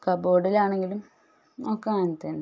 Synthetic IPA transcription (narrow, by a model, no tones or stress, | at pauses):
kɐboːɽilaːɳe̞ŋɡilum | okːeaːnt̪ːen